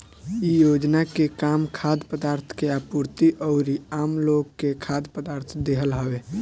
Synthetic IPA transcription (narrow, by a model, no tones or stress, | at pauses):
ijod͡ʒnakekamkʰad̪pəd̪aɾt̪ʰkeapuɾt̪iʔəʊɾiamloɡkːekʰad̪pəd̪aɾt̪ʰd̪eɦəlɦəwe